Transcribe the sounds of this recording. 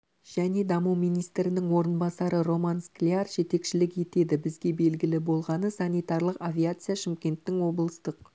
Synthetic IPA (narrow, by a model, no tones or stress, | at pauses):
ʒ̥æne̞d̪ɑmuwmijnijst̪ɾɪnɪŋwo̞ɾənbɑsɑɾəɾo̞mansklʲiarʒe̞t̪e̞kʃɪlɪkje̞t̪e̞d̪ɪbɪzɡʲe̞be̞lɡʲɪlɪbo̞lˠʁɑnəsanʲijt̪ɑrlˠəqavʲiat̪sɨjaʃɪmkʲe̞nt̪ːɪŋwo̞blˠəst̪əq̚